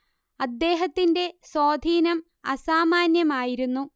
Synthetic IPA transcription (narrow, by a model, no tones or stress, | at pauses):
ɐd̪ːe̞ːɦɐt̪ːinde̞soːd̪ʱiːnɐm | ɐsaːmaːnjɐmaːjiɾunːu